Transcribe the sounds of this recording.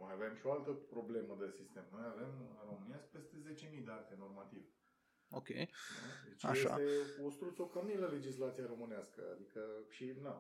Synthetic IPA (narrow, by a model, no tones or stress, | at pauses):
majave̞mʃioalt̪əpɾo̞ble̞məd̪esist̪e̞mno̞jave̞mɾomɨniaspe̞st̪e̞ze̞t͡ʃe̞mid̪eat̪e̞no̞rmat̪iv | okʲej̪ud̪et͡ʃajeʃsa̰t̪e̞ost̪ɾut̪sokəmniləle̞d͡ʒislat̪siaɾo̞mɨneaskə̰a̰d̪ikəʃina